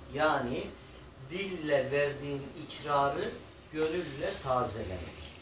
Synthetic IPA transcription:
jaːni | d̪ilʲːɛvæɾd̪iːnicʰɾaːɾɯ | ɟø̞lyllʲɛt̪ʰaːzelʲɛ̰mɛ̰c

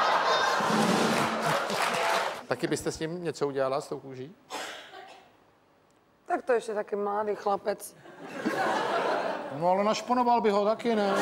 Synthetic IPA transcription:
t̪akɪbɪst̪ɛsɲɪmɲɛt͡souɟɛlalast̪owkuːʒiː | t̪akt̪oɛʃcɛt̪akimlaːd̪iːxlapɛt͡s | noalɛnaʃponovalbɪɦot̪akɪnɛ

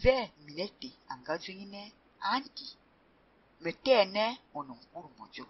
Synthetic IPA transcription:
vɛminɛteaŋɡazweŋinɛ | anti | mɛtɛːnɛɔnɔŋ̩kuɾmɔ̰d͡ʒɔ

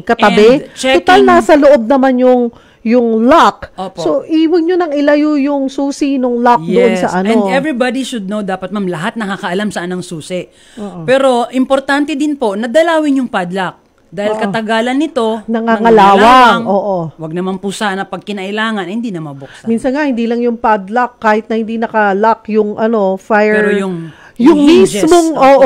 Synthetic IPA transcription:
kɐt̪ɐbɛt͡ʃɛʊt̪alnasɐloʔob̚nɐmanjʊŋ | jʊŋlak̚ʔoːpsoʔiːwɐɡɲonɐŋʔɪlɐjujʊŋsuːsinoŋlak̚jd̪ʊɛonsɐʔɐnõd̪ʔɛvɾibad̪iʃʊd̪̚nowd̪aːpɐt̪̚mamlɐɦat̪̚nɐkakɐʔɐlamsɐʔanːɐŋsuːsɪʔ | pɛːɾo̞ʔɪmpoɾt̪ant̪ɛd̪ɪnpo̞nɐd̪ɐlaːwɪɲjʊŋpad̪lɐk̚ | d̪aːhɪlkɐt̪ɐɡaːlɐnːɪt̪o̞nɐŋaŋɐlaːwaʔoːʔowɐɡ̚nɐmanpusanɐpɐɡ̚kɪnɐʔɪlaːŋɐnhɪnd̪inɐmɐboksminsɐnŋahɪnd̪iːlɐŋjʊŋpad̪lɐkːaːhɪt̪̚nɐhɪnd̪inɐkɐlakjʊŋʔɐno̞fajɛɹjʊŋ | jjʊŋmismoŋʔoːʔo

